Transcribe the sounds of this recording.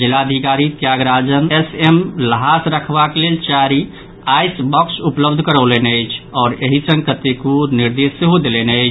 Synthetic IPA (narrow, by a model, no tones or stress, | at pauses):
d͡ʒilad̪ʱikaɾit̪jaɡɾad͡ʒənesemləɦasɾəkʰbakelelt͡ʃaɾi | ajsbɔksupləbd̪ʱkəɾəlenəjt͡ʃʰɔːɾeɦisə̃ŋɡkət̪ekuniɾd̪esəɦod̪elenəɪt͡ʃʰ